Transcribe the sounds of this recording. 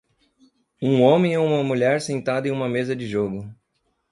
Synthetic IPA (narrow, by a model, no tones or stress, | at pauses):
ũõmẽɪũmɐmuʎɛɾsẽnt̪ad̪ɐẽũmɐmezɐd͡ʒɪʒoɡʊ